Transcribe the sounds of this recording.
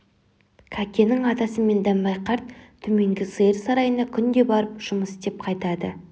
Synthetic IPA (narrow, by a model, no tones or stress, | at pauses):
kʲʰækʲʰe̞nɪŋɑt̪ɑsəme̞nd̪æmbɑjqʰɑɾt̪̚ʰːɵme̞ŋɡʲɪsɨjəɾsɑɾɑjənd̪ɑkʲʰʏnd̪e̞bɑɾəpʒ̥ʊməsd̪e̞p̚qʰɑjt̪ɑd̪ə̰